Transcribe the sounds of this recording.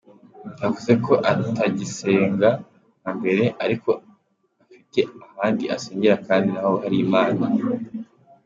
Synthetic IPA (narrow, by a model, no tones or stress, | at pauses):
davuze̞ko̞ʔatʰaɟise̞ːŋɡa | hambe̞ɾe̞ʔaɾiko̞ | afite̞ahaːndiʔase̞ːɲɟe̞ɾakaːndinaho̞haɾiːmaːna